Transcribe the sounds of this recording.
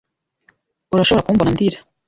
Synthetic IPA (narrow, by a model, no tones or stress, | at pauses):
uɾaʃooɾakumbonand̪iɾḁ